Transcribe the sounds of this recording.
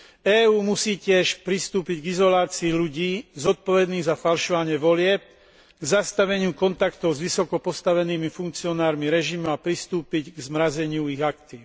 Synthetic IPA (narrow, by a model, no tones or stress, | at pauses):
ɛːuːmusiːcɪɛʃpɾist̪uːpiɟɡizɔlaːt͡siːʎuɟiːzɔt̪̚pɔʋɛd̪niːɣzafalʃɔʋaɲɪɛʋɔlɪɛp̚ | ɡzast̪aʋɛɲɪukɔnt̪akt̪ɔʊzʋisɔkɔpɔst̪aʋɛniːmifuŋkt͡siɔnaːɾmiɾɛʒimuapɾist̪uːpiɟɡzmɾazɛɲɪuiɣakt̪iː